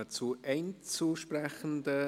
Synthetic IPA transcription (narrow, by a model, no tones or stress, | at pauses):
ət͡suʔɛɪnt͡suʃprɛχən̩də